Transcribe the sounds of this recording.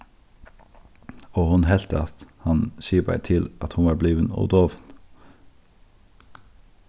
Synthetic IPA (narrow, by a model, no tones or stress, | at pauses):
oːhʊnhɛlt̪əɑt̪hɑnsiːəbæ̰ɪt̪ʰɪlʔɑt̪hʊnʋɑːɾbliːʋənɔ̰d̪oːʋn